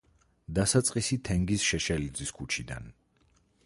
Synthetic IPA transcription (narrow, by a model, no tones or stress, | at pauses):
d̪asat̪sʼqʼisit̪ʰɛŋɡisʃɛʃɛlid̪ziskʰut͡ʃʰid̪a̰n